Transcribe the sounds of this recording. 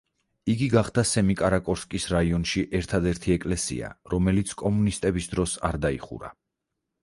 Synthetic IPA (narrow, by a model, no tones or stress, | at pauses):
iɡiɡaχd̪asɛmikʼaɾakʼɔɾskʼisɾaiɔnʃiʔɛɾt̪ʰad̪ɛɾt̪ʰiɛkʼlɛsḭa̰ɾɔmɛlit̪sʰkʼɔmunist̪ʼɛbisd̪ɾɔsa̰ɾd̪aḭχṵɾa̰